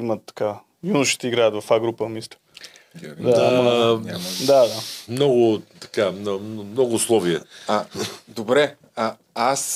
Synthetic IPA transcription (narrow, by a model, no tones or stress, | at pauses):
imət̪ːɐ̥ka | junuʃi̥t̪ɛiɡɾaət̪vɐfaɡɾupəmist̪ʊ̥ | d̪a | d̪ad̪amnɔɡʊt̪ɐ̥kamnɔmnɔɡʊːslˠɔviɛad̪obɾɛ | a | as